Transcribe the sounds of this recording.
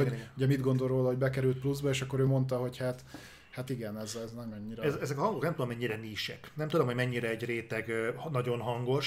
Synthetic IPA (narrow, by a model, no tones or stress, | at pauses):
ouɟɛmid̪ɡo̞nd̪oɾroːlɒɦoɟbɛkɛɾylt̪̚pluzbɒeːʃɒkːo̞ɾøːmo̞nt̪ɒɦo̞chat̪ | hat̪iɡɛnɛzznɛmɛɲːiɾɛzɛzɛkɒhɒŋɡoknɛmt̪ud̪omɛɲːiɾɛniːʃɛ̰knɛmt̪ud̪omhoɟmɛɲːiɾɛːɟreːt̪ɛɡnɒɟo̞nɦɒŋɡo̞ʃ